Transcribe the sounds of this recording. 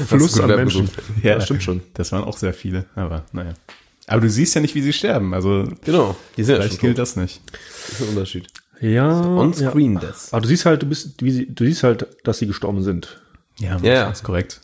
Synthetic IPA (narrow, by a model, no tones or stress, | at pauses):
flʊsanɛmɛnnuːn̩tjaːtɪmʃoːnd̥asv̥aːənʔa̰ʊxz̥eːɐfiːləʔaːbɐnajaː | ʔaːbɐduːziːstjaːnɪçtv̥iːziːʃtɛɐbm̩ʔalzoɡənaʊd̥izɪnlaɪtɡ̥ɪlt̚d̥asnɪçtɪsn̩ʊntɐʃiːt | jaːɔnsaʁiːndɛsaːbɐduːziːsthalt̚d̥uːbɪstviːziːd̥uːziːsthaltd̥asiːɡəʃtɔɐbm̩zɪnt | jaːaskʰɔʁɛk̚t